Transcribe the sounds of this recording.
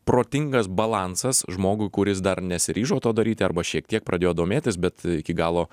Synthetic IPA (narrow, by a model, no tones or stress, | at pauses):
pɾoːt̪ʲɪŋɡɐsbɐlˠɑːnsɐsʒmoːɡʊɪkʊɾʲɪs̬d̪ɐrnʲɛsʲɪɾʲiːʒoːt̪oːd̪ɐɾʲiːt̪ʲɪɐ̰ɾrbɐʃʲiɛk̚t̪ʲiɛk̚pɾʔɐd̪ʲeːjoːd̪oːmʲeːt̪ʲɪsbʲɛt̪ɪkʲɪɡɑːlˠoː